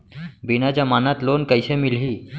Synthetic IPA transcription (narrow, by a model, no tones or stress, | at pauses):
binat͡ɕjamanat̪lonkəjsemilɦiː